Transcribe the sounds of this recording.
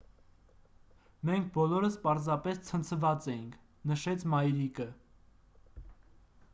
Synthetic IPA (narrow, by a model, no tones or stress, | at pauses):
mɛŋk̚ʰbɔlɔɾəspɑɾzɑpɛst͡sʰənt͡sʰəvɑt͡sɛjiŋkʰ | nəʃɛt͡sʰmɑjɾikə